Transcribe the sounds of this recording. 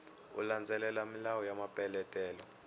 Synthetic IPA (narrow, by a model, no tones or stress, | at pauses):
ṵland͡zʱɛlɛlamilawɔjamapʼɛlɛtʼɛːlɔ